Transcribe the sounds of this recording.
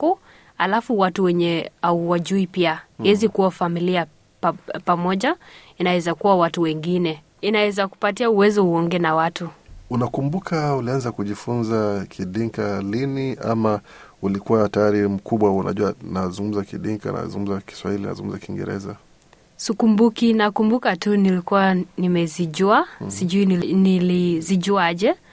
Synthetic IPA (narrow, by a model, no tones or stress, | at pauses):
u | halafuwatuwɛɲɛauwaʄuipiaɛzikuwafamilia | pamɔʄainawɛzakuwawatuwɛŋɡinɛ | inawɛzaku̥patiauwɛzɔhuɔŋɡɛnawatuunakumbukʰaulianzakuʄifunzakʰiɗiŋkalinia̰ma | ulikuwatajaɾim̩kuɓwaunʔa̰ʄuanazuŋɡum̩zakiɗiŋka̰na̰zṵŋɡum̩zaki̥swahilina̰zuŋɡumzakiŋɡɛ̰ɾɛ̰za | sukumbukinakumbukatunilikuwanimɛziʄuasiʄuininiliziʄuaʄɛ